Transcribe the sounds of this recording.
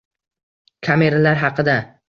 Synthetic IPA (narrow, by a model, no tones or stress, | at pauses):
kʲʰame̞ɾalaɾɦɑqʰɨd̪a